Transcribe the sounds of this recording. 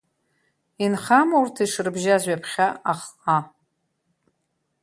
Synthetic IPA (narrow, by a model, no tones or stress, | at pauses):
inχamaurtʰiʂɨrɨbʒazʷɥapʰχʲaaχqʼa